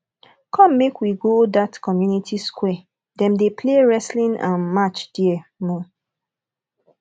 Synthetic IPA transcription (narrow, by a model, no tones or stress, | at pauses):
kʰɔ̃mmekwiɡodatkɔmjunitʰiskwɛ | dɛ̃mdepʰleɹɛslĩnã̰nmat͡ʃd̥iɛmɔ